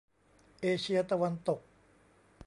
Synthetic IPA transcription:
ʔeː˧t͡ɕʰi˧˥ɐt̪a˧wa˧nt̪o˨˩k̚

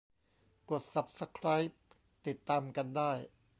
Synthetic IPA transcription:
ko˨˩t̪̚sa˨˩p̚sa˧kʰɾaː˦˥jp̚ | t̪i˨˩t̪ːaː˧mka˧ndaː˥˩j

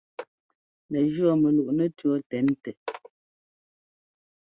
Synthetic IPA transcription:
nɛ˨d͡ʒɰɔ˦˨mɛ˨lu˨ʔnɛ˦tɥɔ˦tɛ˨˦n˦tɛ˨

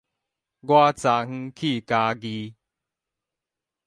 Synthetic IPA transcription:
ɡwa˦t͡sa˨ŋ̥̩˧˦kʰi˥˩˨ka˧ɡi˧

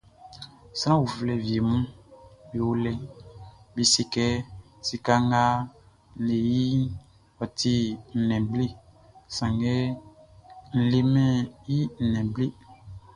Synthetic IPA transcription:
sã˦wu˨flɛ˨vi˨e˨mũ˦bi˨wo˦lɛ˦ | bi˨si˦kɛ˦ | si˨ka˦ŋ˦ɡa˦˨ | e˨ji˦ | ɔ˨tʰi˦n̩˨nɛ̃˨ble˦˨ | sã˨ŋɡɛ˦ | n̩˨le˦mɛ̃˦ji˦n̩˨nɛ̃˨ble˦

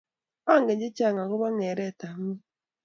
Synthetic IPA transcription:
a˦ŋɡɛ˨ɲd͡ʒe˦t͡ʃa˦˨ŋa˨ɣo˦βa˦ŋɛ˨ɾɛ˦˨ta˨ŋi˦

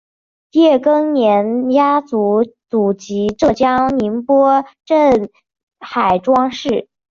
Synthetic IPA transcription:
jɛ˥˩kɤ˥ŋnjɛ˧˥nja˥t͡su˧˥t͡su˨˩t͡ɕi˧˥ʈ͡ʂɤ˥˩t͡ɕjɑ˥ŋni˧˥npwɔ˥ʈ͡ʂə˥˩n | xa˨˩ɪʈ͡ʂwɑ˥ŋʂɻ̩˥˩

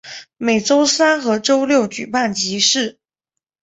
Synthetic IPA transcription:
me˨˩ɪʈ͡ʂo˥ʊsa˥nxɤ˧˥ʈ͡ʂo˥ʊljo˥˩ʊt͡ɕy̰˨˩pa˥˩nt͡ɕi˧˥ʂɻ̩˥˩

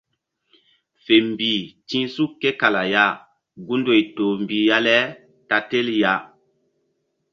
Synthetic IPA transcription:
fe˨mbi˨tĩ˦su˦kːe˦ka˨la˨ja˦ | ɡu˦ndo˨jto˨mbi˨ja˦lɛ˦ | ta˨te˦lja˦

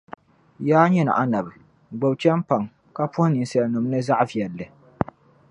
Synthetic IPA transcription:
jaː˦ɲɛ˦nɨ̰˨ʔa˨na˨bɨ˨ | ɡ͡bo˨bt͡ʃɛ˦m˦pa˨ŋ | ka˦pʊ˦hʊ˦nɨ˨n˨sa˨lnɨ˨m˦nɨ˦za˦ʔvi˨ɛ˨lːɨ˨

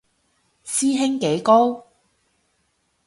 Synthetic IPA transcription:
siː˥ɦɪ˥ŋke˨˥jko˥w

